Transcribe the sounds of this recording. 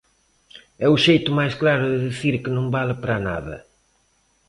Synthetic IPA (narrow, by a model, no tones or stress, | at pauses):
ɛuʃejt̪ʊmajsklaɾʊðɪðiθiɾkɨnõŋbalɐpɾɐna̰ðɐ̰